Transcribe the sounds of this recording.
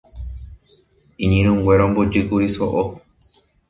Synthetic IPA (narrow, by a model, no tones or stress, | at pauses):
ĩɲĩɾũŋɡwʷeɾõmbod͡ʒɨkuɾiso̰ʔo